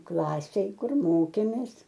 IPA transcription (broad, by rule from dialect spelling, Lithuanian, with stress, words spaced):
ˈklˠɑːsʲeːj ˈkʊr ˈmoːkʲeːmʲeːs